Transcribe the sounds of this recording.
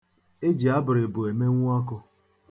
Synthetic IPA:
e˦d͡ʒi˨a˦bʊ˨ɾɪ˨bʊ˨e˨me˦ŋʷʊ˦a˦kʊ˦

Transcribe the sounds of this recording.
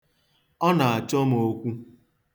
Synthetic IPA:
ɔ˦na˨a˨t͡ʃɔ˦mo˦kʷu˦

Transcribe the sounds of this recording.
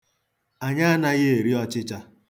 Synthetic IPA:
a˨ɲa˦na˦ɣe˦e˨ɾi˦ɔ˦t͡ʃɪ˦t͡ʃa˦

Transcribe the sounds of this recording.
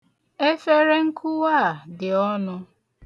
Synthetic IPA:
e˦fe˦ɾe˦ŋ̩˦kʰʊ˦wa˦˨dɪ˨ɔ˦nʊ˦

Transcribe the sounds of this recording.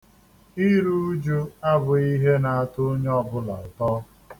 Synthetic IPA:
i˦ɾu˦u˦d͡ʒu˦a˦bʊ˨i˦ɦe˦na˨a˨tʊ˦ɲ˦ɔ˦bʊ˦la̰˨ʊ˨tɔː˦

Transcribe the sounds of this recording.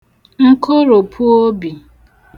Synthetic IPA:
ŋ̩˦kʰo˦ɾo˨pʰu˦o˦bi˨

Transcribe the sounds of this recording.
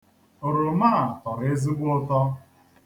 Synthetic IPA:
ʊ˨ɾʊ˨maː˦˨tɔ˨ɾe˦zi˦ɡʷʊ˦o˦tɔ˦

